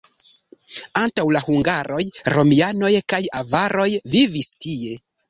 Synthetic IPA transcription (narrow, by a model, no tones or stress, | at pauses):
antawlahuŋɡaɾo̞jɾo̞miano̞jkajavaɾo̞jvivistie̞